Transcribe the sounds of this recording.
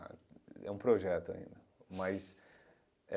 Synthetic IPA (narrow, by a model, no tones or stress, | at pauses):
ɛ̰ũpɾoʒɛt̪ʊa̰ḭ̃nd̪ɐ | mɐs